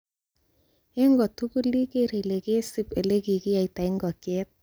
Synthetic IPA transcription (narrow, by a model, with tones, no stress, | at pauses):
e˦ŋɡɔ˨tu˦ku˦li˦ke˦ɾe˨le˨ke˦si˦pe˨le˦ki˨ki˦a˨i˨ta˨i˦ŋɡɔ˨kɛ˦t̚